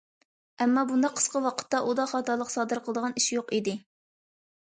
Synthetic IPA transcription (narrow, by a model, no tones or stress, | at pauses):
ɛmːɑbund̪ɑqʰə̥sqəwɑqʰə̥t̪ːɑʔud̪ɑχɑːt̪ɑlˠəqsɑːd̪ɨɾqəlˠəd̪əʁɑniʃjoqid̪ɪ